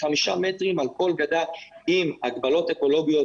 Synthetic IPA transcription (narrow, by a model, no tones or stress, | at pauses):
χamiʃametʁimalko̞lɡad̪aimaɡbalo̞teko̞lo̞ɡijo̞